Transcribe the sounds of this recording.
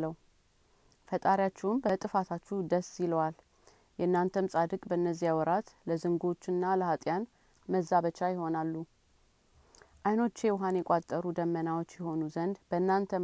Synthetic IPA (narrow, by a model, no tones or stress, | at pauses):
lə | fət̪ʼaɾjat͡ʃːɛwɨmbət̪ʼɨfat̪ʰat͡ʃːud̪əsːiləwal | jɛnːant̪ʰəmsʼad̪ɨkʼbəɨnːəzːijawɔɾat̪ləzɨŋɡo̞t͡ʃːɨnːaləhat̪ʼjan | məzːaβət͡ʃːajɪho̞nalːu | ʔajno̞t͡ʃːewɦanjɛkʷʼat̪ʼːəɾud̪əmːənawot͡ʃːjɛho̞nuzənd̪bəɨnːant̪ʰə